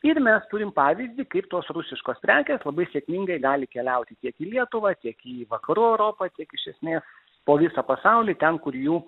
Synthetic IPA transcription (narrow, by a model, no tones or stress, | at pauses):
ɪɾmʲɛst̪ʊɾʲɪmpɑːʋʲɪzʲd̪ʲɪkɐɪpt̪oːsrʊsʲɪʃkoːspʲɾʲæːkʲeːslˠɐbɐɪsʲeːkmʲɪŋɡɐɪɡɑːlʲɪkʲɛlʲɛʊt̪ʲɪt̪ʲiɛkiːlʲiɛt̪ʊʋɑt̪ʲiɛkiʋɐkɐɾuːɛʊɾoːpɐt̪ʲiɛkɪʃʲɛsʲmʲeːs | poːʋʲɪsɐpɐsɑʊlʲiːt̪ʲɛnkʊɾjuː